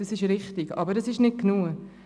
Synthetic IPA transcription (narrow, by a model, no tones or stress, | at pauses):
ɑsɪʃɾɪχtɪɡ̥ɑ̰bəɾdɑsɪʃnɪt̚knuə